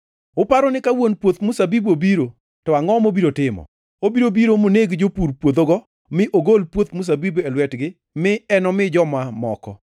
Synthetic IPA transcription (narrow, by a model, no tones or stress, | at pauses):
ʊpaɾɔnɪkawonpwot̪musabibobiɾo | tɔaŋɔmobiɾotɪmɔ̰ | obiɾobiɾomoneɡd͡ʒopuɾpwod̪oɡɔ | mɪʔoɡolpwot̪mus̬abibelwɛtɡɪ | mɪɛnɔmɪd͡ʒɔmamɔ̰kɔ̰